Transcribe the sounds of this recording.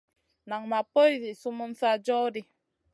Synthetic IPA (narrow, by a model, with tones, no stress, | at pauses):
na˨ŋma˨po˦jzi˨su˦mə˦m̩˦fa˦d͡ʒɔ˦di˦